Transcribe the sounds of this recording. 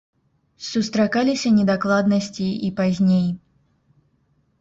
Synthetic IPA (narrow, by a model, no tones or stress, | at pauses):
sust̪ɾakalʲisʲɐnʲɛd̪aklˠad̪nɐsʲt͡sʲiipazʲnʲej